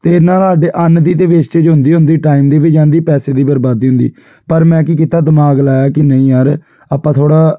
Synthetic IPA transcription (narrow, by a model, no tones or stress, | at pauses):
t̪eːnãːlɦaːɖeːʔənd̪iːt̪eːʋeːt͡ʃt͡ʃed͡ʒɦʊ̃nd̪iːɦʊ̃nd̪iːʈaːiːmd̪eːʋɪt͡ʃd͡ʒãːnd̪iːpɛːseːd̪iːbəɾbaːd̪iːɦʊ̃nd̪ḭː | pəɾmɛ̃ːkiːkit̪aːd̪əmaːɡlaːjaːkɪnəĩːjaːɾ | aːpːãːt̪ʰoːɽaː